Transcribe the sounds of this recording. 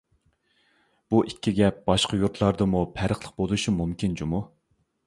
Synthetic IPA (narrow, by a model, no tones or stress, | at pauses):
b̥uʔikʲʰːiɡʲɛp̚b̥ɑʃqɑjuɾt̪lˠɑɾd̪ɨmupʰæɾəχlˠəq̚bolˠuʃimumkʲind͡ʒumu